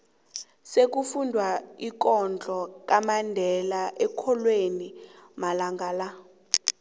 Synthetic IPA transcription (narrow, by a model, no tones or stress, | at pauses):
sek̬ufundʱwaik̬ɔnd͡ɮʱɔk̬ʼamandʱɛlaʔɛkʰɔlwenimalaŋɡʱaːla